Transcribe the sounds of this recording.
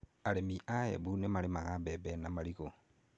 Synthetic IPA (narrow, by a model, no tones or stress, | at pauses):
alemiʔajḛβunemalemaɣabebenamaliɣo